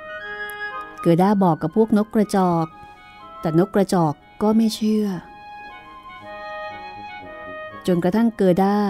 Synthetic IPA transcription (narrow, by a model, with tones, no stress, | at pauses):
kɤː˨˩t̪̚daː˥˩bɔː˨˩kːa˨˩pʰːu˥˩ək̚no˦˥kːɾa˧t͡ɕɔː˨˩k̚ | t̪ɛː˨˩no˦˥kːɾa˧t͡ɕɔː˨˩kːɔː˥˩ma˥˩jt͡ɕʰɯ˥˩ɐ | t͡ɕo˧nkɾa˧t̪ʰa˥˩ŋkɤː˨˩t̪̚daː˥˩